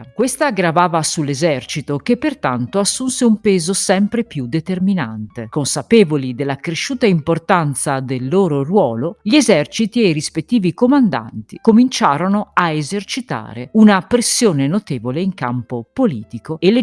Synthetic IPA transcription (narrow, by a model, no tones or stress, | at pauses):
kwest̪aɡɾavaːvasulːezɛrt͡ʃit̪ok̟epːert̪ant̪oasːunseumpeːzosɛmpɾepjud̪et̪ermina̰nt̪ekonsapeːvolid̪elːakɾeʃːuːt̪aimport̪ant̪sad̪elːoːɾorwɔːloʎiezɛrt͡ʃit̪iejrispet̪ːiːvikomand̪a̰nt̪ikomint͡ʃaːɾonoaezert͡ʃit̪a̰ːɾeunapɾesːjoːnenot̪eːvoleiŋkampopoliːt̪ikoelːe